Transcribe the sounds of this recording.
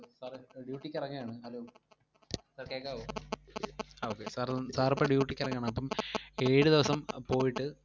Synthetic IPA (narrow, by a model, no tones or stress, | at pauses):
saːrɖjuːʈːikʲːɐrɐŋːɐjaːɳɨɐloː | sɐkeːkːaːo | oːkːḛsaːɾsaːɾɐpːoɖjuːʈːikʲːɐrɐŋːjaːɳɨɐpːɐme̞ːɻɨd̪iʋɐsɐmpo̞ːjiʈːɨ